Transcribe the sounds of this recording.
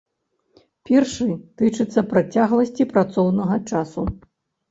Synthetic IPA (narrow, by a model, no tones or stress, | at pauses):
pʲɛrʂɨt̪ɨt͡ʂɨt̪sːɐpɾat͡sʲaɣlˠɐsʲt͡sʲipɾat̪sɔwnɐɣɐt͡ʂasu